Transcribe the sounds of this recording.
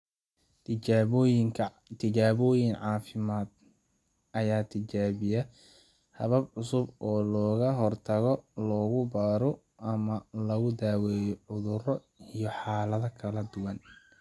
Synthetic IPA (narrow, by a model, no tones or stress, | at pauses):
jɪŋkʰɐ | t̪ʰɪd͡ʒaːβɔːjɪŋʕɑːfɪmaːd̪̚ | ʔɐjaːt̪ʰɪt͡ʃaːβɪjɐ | hɐβɐbʕʊsʊbɔːlɔːɣɐɦɔrt̪ʰɐɣɔlɔːɣʊbaːɾɔ | ʔɐmɐlɐɣʊd̪aːwɛːjɔʕʊðʊrɔ | ijɔħɑːlɐðɐkʰɐlɐd̪ʊwɐn